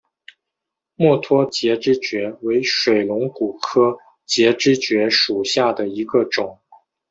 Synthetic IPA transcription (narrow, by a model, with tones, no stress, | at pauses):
mwɔ˥˩t̪ʰwɔ˥t͡ɕjɛ˧˥ʈ͡ʂɻ̩˥t͡ɕɥɛ˧˥we˧˥ɪʂwe˨˩ɪlʊ˧˥ŋku˨˩kʰɤ˥ | t͡ɕjɛ˧˥ʈ͡ʂɻ̩˥t͡ɕɥɛ˧˥ʂu˨˩ɕja˥˩d̪ə˩i˧˥ɡə˧ʈ͡ʂʊ˨˩˦ŋ